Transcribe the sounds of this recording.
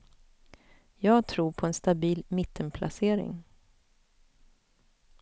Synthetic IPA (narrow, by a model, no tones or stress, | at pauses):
jɑːɡt̪ʰɾuːɾpʰɔɛnst̪abiːlmɪt̪ʰːənpʰlʔa̰seːɾɪ̰ŋ